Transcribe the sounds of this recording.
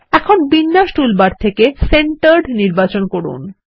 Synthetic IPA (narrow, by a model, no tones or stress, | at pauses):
ɛkʰonbinːaʃʈulbaɾt̪ʰekeseɳʈaɾɖniɾbat͡ɕonkoɾṵn